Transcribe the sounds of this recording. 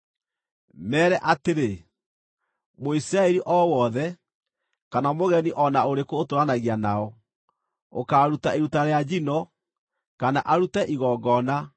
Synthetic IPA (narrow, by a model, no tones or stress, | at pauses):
mɛːɾɛʔateɾe | moisiɾaɛɾiʔɔwɔðɛ | kanamoɣɛniʔɔnaoɾekoːtoɾanaɣianaɔ | okaːɾutaeɾutaɾead͡ʒinɔ | kanaʔaɾutɛʔiɣɔːɡɔna